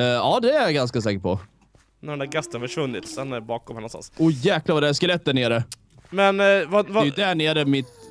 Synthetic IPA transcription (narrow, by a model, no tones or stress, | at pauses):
ɑːd̪ɛæɾjaɡanskasɛːkəʈpʰɔ | ɛnd̪æːɾɡɛst̪ənfœʂvɵnːɪt̪sɛnɛɾbɑːkɔmhɛnɔnst̪a̰nsʊjæːklavad̪ɛæskɛlɛt̪̚ːd̪æɳeːɾə | mɛnvavɛjɪd̪æɳeːɾəmɪt̪